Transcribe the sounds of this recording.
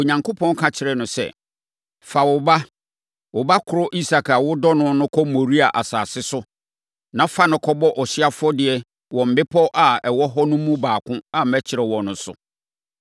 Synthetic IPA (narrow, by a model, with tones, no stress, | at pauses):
o˨ɲã˨ŋko˦pʰɔ̃˦n˦kʰã˦t͡ɕʰɪ˨ɾɛ˨nʊ̃˨sɛ̰˨ | fa˨wʊ˨ba˦ | wʊ˨ba˦kʰʊ˨ɾɔ˦ʔi˦sa˨kʰa˨wʊ˦dɔ˦nʊ̃˦nʊ̃˦kʰɔ˦mo˨ɾi˦a˨ʔa˨saː˨sɪ˦sʊ˦ | nã˦fa˦nʊ̃˨kʰɔ˦bɔ˦ʔɔ˨ɕi˦a˦fʊ˦ɔ˦dɪ˨ɛ˦ | wɔ̃˨m̩˨bɪ˦pʰɔ˦ʔa˨ɛ˨wɔ˦ɦɔ˦nʊ̃˦mũ˦baː˨kʰʊ̃˦a˨m̩˨mæ˦t͡ɕʰɪ˨ɾɛ˨wɔ̃˨nʊ̃˨˦sʊ̰˨